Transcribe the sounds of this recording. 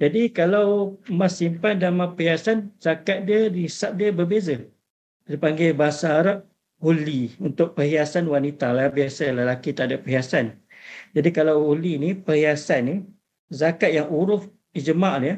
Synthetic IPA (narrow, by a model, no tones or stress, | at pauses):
d͡ʒadikalawmasimpandamapəɦiasanz̥akat̪̚diədisap̚diəbərbezə | dipaŋɡajbaɦasaːɾap̚ | huliunt̪ʊk̚pəɦiasanwanit̪alabiasaləlakit̪aʔadapəɦiasan | d͡ʒadikalawulinipəhiasanːi | zakat̪̚jaŋuɾʊf | id͡ʒəmaʔlaja